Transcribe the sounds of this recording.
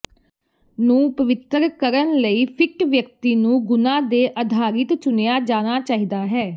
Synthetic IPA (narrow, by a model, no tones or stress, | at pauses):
nũːpəʋɪt̪ɾkəɾənləiːpʰɪkʈʋjək̚t̪iːnũːɡʊnãːd̪eːʔəd̪ʱaːɾɪt̪t͡ʃʊnjaːd͡ʒaːnaːt͡ʃaːɦiːd̪aːɦɛː